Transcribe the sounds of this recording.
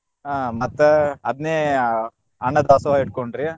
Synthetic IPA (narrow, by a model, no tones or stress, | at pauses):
aːmɐt̪ːɐɐd̪neː | ɐɳːɐd̪aːsɐaːiʈ̚koɳɖɾi